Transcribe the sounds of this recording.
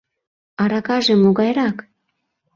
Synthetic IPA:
ɑɾɑkɑʒemoɣɑjɾɑk

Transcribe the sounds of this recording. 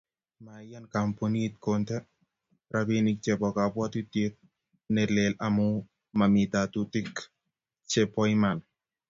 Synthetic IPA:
majankamponit̪̚kontɛ | ɾabinik̚t͡ʃɛbɔkapwat̪itet̪̚ | nɛlelamu | mamit̪atutik | t͡ʃepɔjman

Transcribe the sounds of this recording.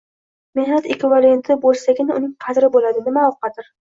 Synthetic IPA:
me̞hnat̪e̞kʲvɪvale̞nt̪ʰɪbolˠsaɡʲɪnɪʊnɪŋqʰɑd̪ɾɪbolad̪ɪnɪmaqʰɑd̪ɪɾ

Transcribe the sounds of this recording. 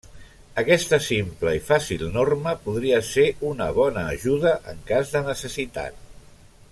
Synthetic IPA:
əkɛst̪əsimpləifasilˠnorməpuðɾiəseunə̰β̞ɔnəːʒuð̞əʔə̰ŋkazðənəsəsit̪a̰t̪̚

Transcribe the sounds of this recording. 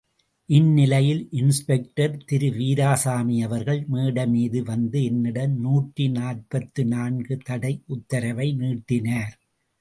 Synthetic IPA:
ʔɪnːɪlɐjɪlʔɪnspɛk̚ʈɐɾt̪ɪɾɯʋiːɾaːsaːmijɐʋɐɾɣɐɭmiːɽɐmiːðɯʋɐnd̪ɯɛnːɪɽɐnnuːʈrinaːrpɐt̪ːɯnaːnɡɯt̪ɐɽɐɪʔʊt̪ːɐɾɐʋɐɪniːʈːɪnaːɾ

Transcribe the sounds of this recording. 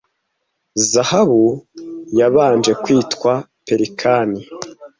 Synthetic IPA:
zahaβujaβaːnd͡ʒe̞kwiːtkwa | pe̞ɾikʰani

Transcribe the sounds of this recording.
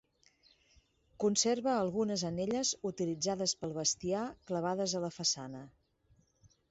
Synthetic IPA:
kunserβəːlˠɣunəzəneʎəzut̪ilid͡zaðəspəlˠβəst̪iakləβ̞aðəzələfəsanə

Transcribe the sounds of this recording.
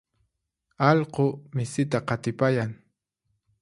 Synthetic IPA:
ɑʎqomɪsɪt̪aqɑt̪ɪpajaŋ

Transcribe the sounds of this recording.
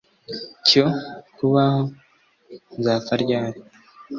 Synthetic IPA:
cokuβaho̞ | nzaːfaɾɟaːɾi

